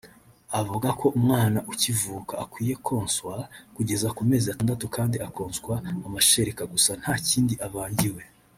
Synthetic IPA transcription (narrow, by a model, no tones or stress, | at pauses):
avuɡakʰo̞ʔumŋaːnaʔucivuːkaːkwiːje̞kʰo̞ːnswakuɟe̞zakume̞ːziataːndatukaːndiako̞ːnskwaːmaʃeɾekaɡusan̥haːciːndiʔaβaːɲɟiwe̞